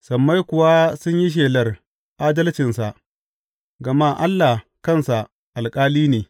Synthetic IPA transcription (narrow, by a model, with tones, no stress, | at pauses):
sɐ˨mːa˦jkʷʊ˨wa˦sʊ˦ɲji˦ʃ̬eː˨lɐ˦r | ʔaː˦dɐ˦lt͡ʃɪ˨nsa˨ʔ | ɡɐ˨ma˦ʔa˦lːa˨kɐ˦nsa˨ | ʔa˨lkʼaː˦liː˦neː˨